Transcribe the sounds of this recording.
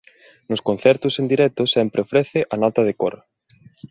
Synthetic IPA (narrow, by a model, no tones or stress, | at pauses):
nʊskon̟θɛɾt̪ʊsend̪iɾɛk̚t̪ʊsɛmpɾʔeofɾɛθɪʔɐnɔt̪ɐð̞ɪkoɾ